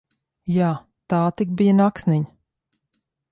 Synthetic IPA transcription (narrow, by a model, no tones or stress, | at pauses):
jaː | t̪aːt̪ik̚bijənaksniɲ